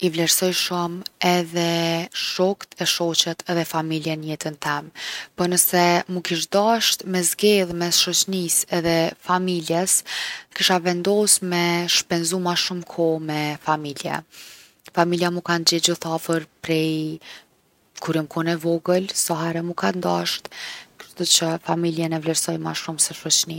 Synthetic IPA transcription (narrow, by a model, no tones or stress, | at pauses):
ivlɛɾsɔjʃumɛðɛʃɔkt̪ʰɛʃɔt͡ɕɛt̪ʰɛðɛfamiljɛnəjɛt̪ənt̪ɛmpənəsɛmukiʃd̪aʃt̪mɛzɡɛlˠmɛsʃɔt͡ɕnisɛðɛfamiljɛskiʃavɛnd̪ɔsmɛʃpɛnzumaʃumkʰɔmɛfamiljɛ̰ | familjamukand͡ʑɛd͡ʑuθafəɾpɾɛj | kuɾimkʰɔnɛvɔɡəlsaɦaɾɛmukand̪aʃt̪kəɾt̪ɔt͡ɕəfamiljɛnɛvlɛɾsɔjma̰ʃumsɛʃɔt͡ɕni